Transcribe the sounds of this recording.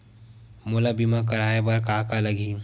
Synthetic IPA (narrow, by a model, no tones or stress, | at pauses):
mulabimakəɾaːebɐɾkaːkaləɡi